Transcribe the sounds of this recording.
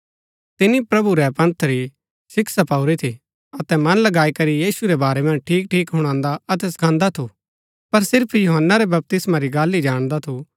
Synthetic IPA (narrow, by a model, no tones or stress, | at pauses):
t̪ɪnːipɾɐbuɾɛpɐ̃nt̪ʰəɾi | sɪksapaʊɾit̪ʰi | ɐt̪ɛmɐnlɐɡaːikɐɾijiːsuɾɛbaːɾɛmɐ̃nd͡ʒʈʰiːk̚ʈʰiːkɦʊɽ̃ãːnd̪aɐt̪̬ɛsɐ̥kʰãːnd̪at̪ʰu | pɐɾsɪɾpʰjoɦənːaɾɛbɐp̚t̪ɪsmaɾiɡaːlid͡ʒaːɽ̃d̪at̪ʰu